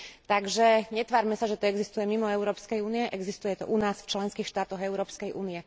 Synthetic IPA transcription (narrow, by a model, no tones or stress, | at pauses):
t̪aɡʒɛɲɛt̪ʋaːɾmɛsaʒɛt̪ɔɛɡzist̪ujɛmimɔɛʊɾɔːpskɛjuːniɛʔɛɡzist̪ujɛt̪ɔ̰ʔunaːsft͡ʃlɛnskiːxʃt̪aːt̪ɔɣɛʊɾɔːpskɛjʔṵːniɛ